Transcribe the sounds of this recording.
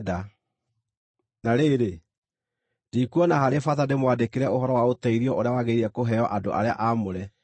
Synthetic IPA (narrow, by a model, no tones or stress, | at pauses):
da | naɾeːɾe | dikuɔnahaɾefaðandemwadekeɾɛohɔɾɔwaotɛiɾiɔʔoɾeawaɣeiɾɛkoɦɛɔʔado̰ʔa̰ɾea̰ʔamoɾɛ